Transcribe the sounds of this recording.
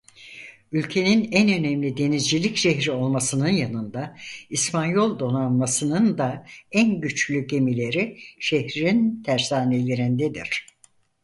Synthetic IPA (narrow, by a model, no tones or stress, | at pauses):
ylʲcʰe̞ninænø̞nɛmlʲid̪e̞nizd͡ʒilʲicʃeçɾio̞lˠmasɯnɯnjanɯnd̪aispʰanjo̞lˠd̪o̞nanmasɯnɯnd̪aænɟyt͡ʃlʲyɟe̞milʲe̞ɾiʃehɾint̪ʰæɾsaːne̞lʲe̞ɾind̪ed̪ḭɾ̝̥